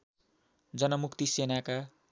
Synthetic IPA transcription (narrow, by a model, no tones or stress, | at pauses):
d͡zʌnʌmukt̪isenaka